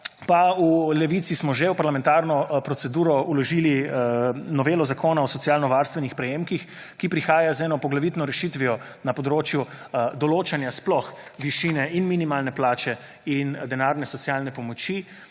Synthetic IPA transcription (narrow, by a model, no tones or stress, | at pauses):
paulɛʋit̪sismɔʒɛwpaɾlamɛnt̪aɾnɔpɾɔtsɛd̪uːɾɔulɔʒiːli | nɔʋeːlɔzakʰoːnaɔsɔtsjaːlnɔʋaːɾst̪ʋɛnixpɾɛjeːmkix | kipɾixaːjazɛːnɔpɔɡlaʋiːt̪nɔɾɛʃit̪ʋiɔ | napɔd̪ɾoːt͡ʃjud̪ɔloːt͡ʃanjasplɔxʋiʃinɛinminimalnɛplaːt͡ʃɛ | ind̪ɛnaːɾnɛsɔsjalnɛpɔmɔt͡ʃi